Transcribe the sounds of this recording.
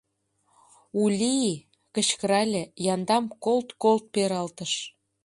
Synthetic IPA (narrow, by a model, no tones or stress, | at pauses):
ulʲii | kə̆t͡ɕkəɾɑlʲĕjɑnd̪ɑmkolt̪kolt̪̚peɾɑlt̪ə̆ʃ